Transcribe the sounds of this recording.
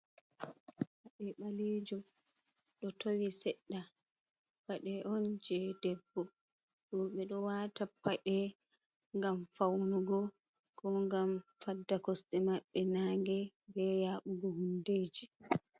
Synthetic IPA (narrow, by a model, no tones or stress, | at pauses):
waɗɛɓalid͡ʒu | ɗɔtowisɛɗːa | waɗɛʔɔnd͡ʒɛdɛbːɔ | ɗuɓɛɗɔwatapːaʔɛ | ŋɡamfawnuɡɔ | kɔŋɡamfadːakɔstɛmaɓːɛnaŋɡɛbɛjaɓuɡɔhundeːd͡ʒi